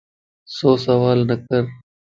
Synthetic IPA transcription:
soːsəʋaːlnəkəɾ

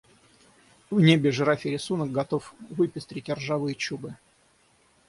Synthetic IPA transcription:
vnʲebʲɪʐɨɾafʲɪɾʲɪsunək̚ɡɐt̪ofvɨpʲɪsʲt̪ɾʲɪtʲɪrʐavɨjət͡ɕubɨ

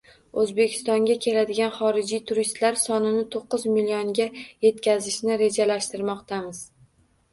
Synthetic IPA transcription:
ɵzbe̞kʲʰɪ̥st̪ɒŋɡʲakʲʰe̞lad̪ɪɡʲanχɒɾɪd͡ʒijt̪ʰʊɾist̪laɾsɒnɪnɪt̪ʰoqːɨzmilʲioŋɡʲaje̞t̪kʲazɪʃnɪɾe̞d͡ʒalaʃt̪ɪɾmɒqt̪ʰamɪz̥

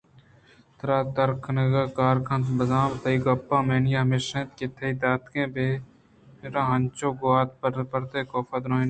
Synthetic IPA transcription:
t̪ɾaːt̪əɾkʰnəɡəkaːɾkʰɐnt̪bɐzaːmt̪ɐiːɡɐpːãːmeːnijaːmeːʃẽːt̪̚ket̪ʰeiːd̪aːt̪kẽːbeː | meːɾãːɦɐnt͡ʃoːɡoaːt̪̚pəɾt̪eːkoːfɐd̪ɾoːɦiːn

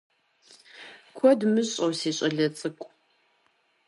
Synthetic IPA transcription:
kʷʰɔdmɨɕʼɐwseːɕʼɐɮɐt͡sʼɨkʷʼ

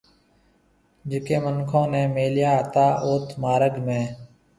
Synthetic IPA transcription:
d͡ʒɪkeːmənkʰõːnẽːmeːljaːt̪aːʔoːt̪ʰmaːɾəɡmẽː

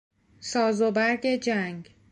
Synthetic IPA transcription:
sɒːzobæɾɡed͡ʒæŋɡ

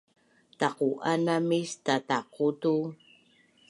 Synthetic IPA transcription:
taquʔanamistataqutu

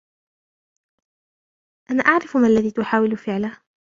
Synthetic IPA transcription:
ʔanaʔaʕɾɪfmaʔlːaðiːt̪ʊħaːwɪlfɪʕlah

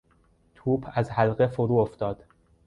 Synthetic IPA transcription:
t̪ʰuːbʰæzhælɢe̞foɾuːoft̪ɒːd̪̥

